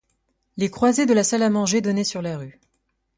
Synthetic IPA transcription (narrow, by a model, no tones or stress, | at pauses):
lekχwazed̪əlasalamɑ̃ʒed̪ɔnɛsyʁlaʁy